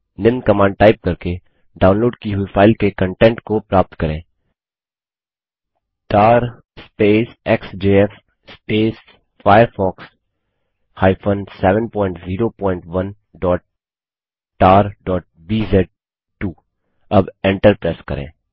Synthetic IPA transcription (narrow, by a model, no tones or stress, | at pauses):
nɪ̃nkɐmãːɳɖʈaːɪp̚kɐɾke | ɖaːʊnloːɖkiɦuifaːɪlkekə̃ɳʈɛ̃ːɳʈkopɾaːp̚t̪kɐɾẽː | ʈaːɾ | speːsɛksd͡ʒeːɛf | speːs | faːjəɾfɔːks | haːɪfʰənsɛːʋə̃npɔ̃ːɪ̃ɳʈziːɾopɔ̃ːɪ̃ɳʈʋɐn | ɖɔːʈ̚ | ʈaːɾɖɔːʈ̚ | biːzɛːɖ̚ | ʈuː | ɐbɛ̃ɳʈəɾpɾɛːskɐ̰ɾḛ̃ː